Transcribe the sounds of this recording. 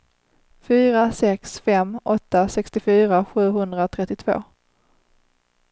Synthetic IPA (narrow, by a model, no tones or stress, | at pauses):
fyːɾasɛksfɛmːɔt̪ːasɛkst̪ɪfyːɾaɧʉ̟ːɦɵnd̪ɾaot̪ʰɾɛt̪ːɪt̪ʰv̥o̰ː